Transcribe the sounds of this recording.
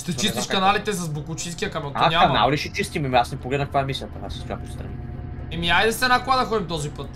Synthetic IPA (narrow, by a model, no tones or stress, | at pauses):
ʃt̪ɛt͡ʃist̪iʃkɐnalit̪ɛs̬ɐzbukut͡ʃĩskʲiɐkamɛnt̪aɲʲakɐna̰lˠliʃɛt͡ʃist̪imɛmiasnɛpoɡlɛd̪nəfkvaɛmisiəpona̰sskʲa̰put̪st̪ɾɐ̰niɛmiajd̪ɛsɛnakoad̪ɐxɔd̪ʲimt̪ɔzipət̪